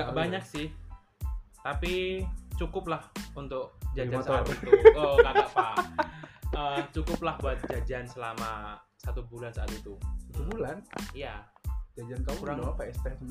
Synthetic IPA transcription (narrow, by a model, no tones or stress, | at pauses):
ɡaʔbaɲak̚sɪh | t̪apit͡ʃukʊp̚lahunt̪ʊk̚d͡ʒad͡ʒansat̪it̪uokakapa | ət͡ʃukʊp̚lahbuat̪̚d͡ʒad͡ʒansəlama | sat̪ubulansaːt̪it̪usat̪ubulanija | d͡ʒad͡ʒankakuɾaŋpaɛst̪ɛs